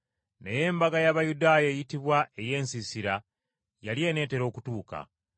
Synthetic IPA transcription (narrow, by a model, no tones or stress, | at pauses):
neje̞ːmbaɡajaβajudaːjeːjitiβwaʔe̞je̞ːnsisiɾa | jalie̞ːne̞ːte̞ɾo̞ːkutuːka̰